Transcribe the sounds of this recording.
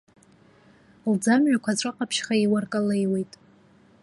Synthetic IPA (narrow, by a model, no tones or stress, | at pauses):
ld͡zamʕʷakʷʰaʈ͡ʂʷʼɨqʼapʰʃχaiwarkʼale̞jwe̞jtʼ